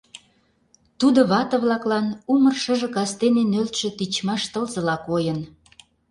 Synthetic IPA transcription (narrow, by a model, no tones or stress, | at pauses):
t̪ud̪ŏβɑt̪ə̆βlɑklɑnumərʃə̆ʒə̆kɑst̪enenølt̪ʃĕt̪it͡ɕmɑʃt̪əlzə̆lɑkojən